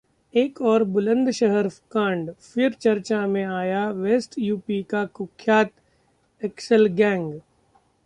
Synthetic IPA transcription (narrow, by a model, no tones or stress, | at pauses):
eːkɔːɾbʊlə̃nd̪ʃəɦəɾkãːɳɖfɪɾt͡ʃɐɾt͡ʃamẽaːjaʋeːsʈjuːpikakʊkʰːjaːt̪ | ɛksəlɡɛ̃ːŋɡ